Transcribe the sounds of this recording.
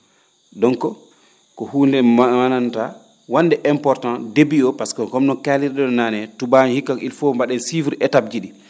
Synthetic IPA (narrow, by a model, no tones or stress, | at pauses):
dɔŋkɔ | kɔhuːndɛananta | wanːdɛʔɛmpɔɾtãndebiɔpaskɔkɔmɗɔnkaliɾɗɛɗɔnaːnɛtubanhikːakilfɔmbaɗɛnsifuɾɛtab̚d͡ʒiɗi